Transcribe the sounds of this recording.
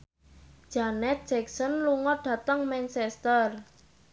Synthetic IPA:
d̥ʒ̥anɛt̪̚dʒ̥ɛksɔnluŋɔɖ̥ä̤t̪əŋmɛnsɛst̪ər

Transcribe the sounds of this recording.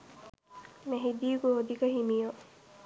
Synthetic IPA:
meɦid̪iːɡood̪ikɐɦimijo

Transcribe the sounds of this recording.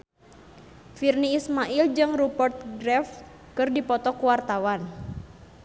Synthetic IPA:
firniːsmaʔild͡ʒɨŋrubərt̪̚ɡɾɛf | kɨrdipɔt̪ɔkuwart̪awan

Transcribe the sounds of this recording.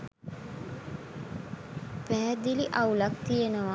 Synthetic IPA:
pæɦːd̪iliʔaulakt̪ijenəʋa

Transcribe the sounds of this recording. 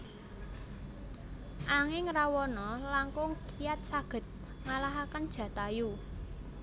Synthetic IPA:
ʔaŋɪŋrawɔnɔlaŋkʊŋkʰijat̪̚saɡ̥ə̤t̪̚ | ŋalaɦakənd̥ʒ̥ä̤t̪aju

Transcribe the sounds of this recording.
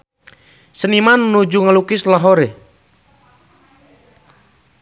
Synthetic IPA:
sənimanːud͡ʒuŋəlukislaɦoɾe

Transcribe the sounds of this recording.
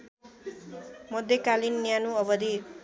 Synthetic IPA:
mʌd̪ʱjekalinːjanuʌbʌd̪i

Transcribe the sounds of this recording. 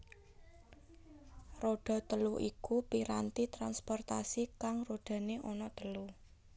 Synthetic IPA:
roɖ̥ɔ̤t̪əluʔikupiɾant̪it̪ɾanspɔrt̪asikaŋroɖ̥a̤neʔɔnɔt̪əlu

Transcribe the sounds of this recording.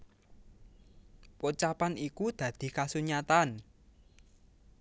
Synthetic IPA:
put͡ʃapanʔikud̪̥ä̤d̪̥i̤kasuɲat̪an

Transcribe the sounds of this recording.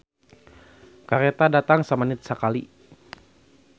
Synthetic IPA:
kaɾet̪adat̪aŋsəmanɪt̪̚səkali

